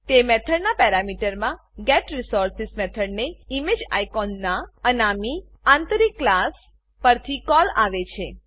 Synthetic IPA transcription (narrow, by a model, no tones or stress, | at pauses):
t̪emɛt̪ʰəɽnapɛɾamiʈəɾmã | ɡɛʈɾisoɾsismɛt̪ʰəɽneimed͡ʒa̰jkɔnːaənami | ãnt̪əɾikːlas | pəɾt̪ʰikɔlaʋet͡ʃʰe